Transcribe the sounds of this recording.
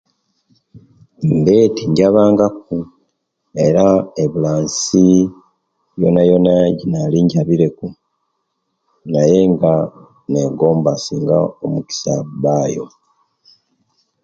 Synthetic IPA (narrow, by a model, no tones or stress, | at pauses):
mbeːtiɲɟaβaːŋɡak̚u | e̞ɾaeβulaːnsi | jo̞najo̞naɟinaliːɲɟaβiɾe̞ku | naje̞ŋɡa | ne̞ɡo̞ːmbasiːŋɡaomuki̥sa̰βaːjo̞̰